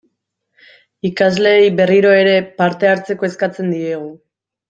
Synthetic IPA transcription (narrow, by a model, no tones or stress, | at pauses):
ikazle̞jbe̞riɾo̞e̞ɾe̞paɾt̪e̞aɾt͡se̞ko̞e̞skat͡se̞nd̪ie̞ɣ̞u